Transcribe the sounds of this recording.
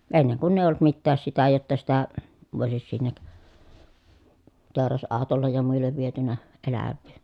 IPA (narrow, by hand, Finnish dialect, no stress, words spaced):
enːeŋ kunː eˑij̆ olˑŭt mitːæːs sitæ jotːɑ sitæ ʋoˑisis sinːek teˑorɑsɑˑotolːej jɑ muilːeʋ ʋietynæ elæʋːiː